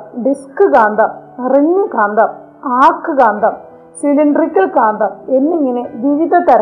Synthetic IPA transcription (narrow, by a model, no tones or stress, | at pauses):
ɖiskɨkaːnd̪ʱɐmɐriɲːɨkaːnd̪ɐm | aːrkːɨkaːnd̪ʱɐm | siliɳɖrikʲːɐlkaːnd̪ʱɐmenːiŋːɐneʋiʋiðɐt̪ɐɾɐ